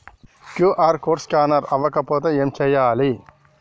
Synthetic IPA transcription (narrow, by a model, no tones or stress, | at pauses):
kjuʔaːɾkoːɾskʲaːnɐɾɐʋɐkɐpoːt̪ɐemt͡ʃɐjaːli